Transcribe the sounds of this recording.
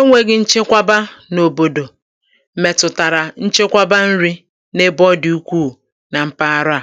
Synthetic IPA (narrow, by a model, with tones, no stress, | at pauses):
o˦ŋʷe˦ɡɪ˦n̩˦t͡ʃɪ˦kʷa˦ba˦no˨bo˨do˨˦ | me˨tʊ˨ta˨ɾa˨n̩˦t͡ʃe˦kʷa˦ba˦n̩˦ɾi˦ | ne˦bɔ˦dɪ˨u˦kʷuː˦˨ | na˨m̩˦pa˦a˦ɾʊ˦a˨